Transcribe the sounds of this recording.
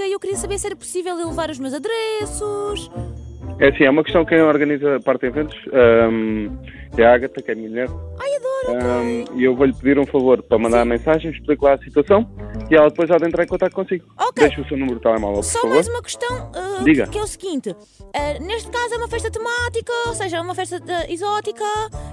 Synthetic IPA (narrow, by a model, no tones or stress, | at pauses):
ewkɾiɐsɐβeɾsɛɾɐpu̥sivɛlˠilˠɨvaɾuʒmewzɐðɾɛsuʃ | ɛɐsĩɛumɐkɨʃt̪ɐ̃w̃kɐ̃ñɔɾɣɐnizɐpaɾt̪ðẽvẽnt̪u̥ʃa | ɛaɣɐt̪ɐkɛmĩɐʎeɾajɐðɔɾiewvoʎpɨðiɾũfɐvoɾpɾɐmɐ̃nd̪aɾɐmẽsaʒɐ̃j̃ʃplˠiklˠaɐsit̪wɐsɐ̃w̃iɛlˠɐð̚pojʒaðẽnt̪ɾaɾẽkõnt̪akt̪̚ːkõsiɣuokd̪ejʃuːsewnumɾt̪ɛlˠɛma̰lˠɐppuɾsɔfɐvoɾzumɐkɨ̥ʃt̪ɐ̃w̃ɛd̪iɣɐkɛusɣĩnt̪ɨ | ɛneʃt̪kazɛumɐfɛʃt̪ɐt̪ɨmat̪ikɐoseʒɐɛumɐfɛʃt̪ɐɛizɔt̪ikɐ